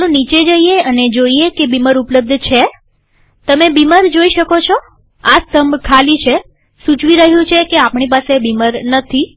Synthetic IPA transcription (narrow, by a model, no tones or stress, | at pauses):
nũnit͡ʃed͡ʒəieəned͡ʒoiekebiməɾupləb̚d̪ʱt͡ʃʰe | t̪əmebiməɾd͡ʒoiʃəkot͡ʃʰɔ | ast̪əmbkʰalit͡ʃʰe | sut͡ʃʋiɾəɦjũt͡ʃʰekeapɳipasebiməɾnət̪ʰi